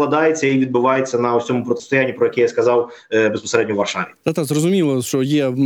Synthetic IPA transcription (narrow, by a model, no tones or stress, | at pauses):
lˠɐd̪ɑjet͡sʲːɐiʋʲid̪̚bʊʋɑjet͡sʲːɐnɐɔsʲɔmʊpɾɔt̪e̥st̪ʊjanʲːipɾɔjɐkʲɛjaskɐzɑwbespɐɔseɾɛd̪ʲnʲɔʋɐrʂaʋʲid̪at̪azrɔzʊmʲilˠɐʂt͡ʃɔjɛ